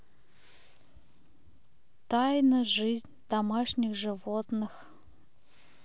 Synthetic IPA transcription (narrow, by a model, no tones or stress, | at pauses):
t̪ajnəʐɨzʲnʲd̪̥ɐmaʂnʲɪxʐɨvot̪nɨx